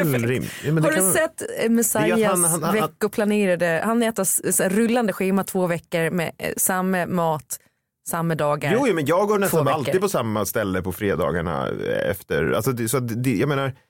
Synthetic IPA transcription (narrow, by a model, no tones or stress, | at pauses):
ɾɪmːhadɵsɛt̪ːmɛsajasvɛkːʊpʰlaneːɾad̪əhanɛːt̪assɛɾʏlːand̪əɧiːmat̪ʰv̥oːvɛkːəɾmɛ̰samːəmɑːt̪ | samːəd̪ɑːɡaɾjuːjuːmɛnjɑːɡɡoːɳɛst̪aalid̪pʰɔsamːast̪ɛlːəpʰɔfɾeːd̪ɑ̰ːɡaɳa̰ɛ̰ft̪əɾa̰lsɔd̪ɛsɔat̪̚d̪ɛjɑɡmeːnaɾ